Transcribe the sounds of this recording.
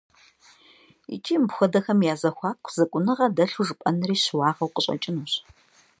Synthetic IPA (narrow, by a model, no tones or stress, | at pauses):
ḭt͡ʃʼiːmbxʷɔdɐxɐmjaːzɐxʷɑːkʷʰʼz̥ɐkʷʼʊnɨʁɐdɐɬuʐɨpʼɐnɨriːɕwɑːʁɐwqəɕʼɐ̰t͡ʃʼɪnuːɕ